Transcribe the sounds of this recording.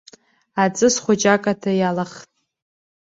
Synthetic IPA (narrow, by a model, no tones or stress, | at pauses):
at͡sʼɨsχʷʊd͡ʒʼakʼatʰajalaχtʼ